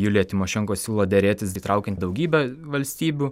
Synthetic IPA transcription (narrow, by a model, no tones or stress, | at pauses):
julʲjɛt̪ʲɪmoːʃʲɛŋkoːsʲuːlˠoːd̪ʲɛɾʲeːt̪ʲɪsiːt̪ɾɑˑʊkʲɛnt̪ʲd̪ɐʊɡʲiːbʲɛʋɐlʲsʲt̪ʲiːbʲuː